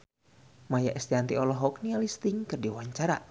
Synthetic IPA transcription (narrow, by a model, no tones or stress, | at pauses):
majaʔɛst̪iant̪iɔlɔɦɔk̚nialist̪iŋkɨrdiwaɲt͡ʃaɾa